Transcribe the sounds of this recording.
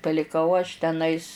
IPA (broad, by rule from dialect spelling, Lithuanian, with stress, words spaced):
pɐlʲɪˈkɐʊ ɐʃ tʲɛˈnɐɪs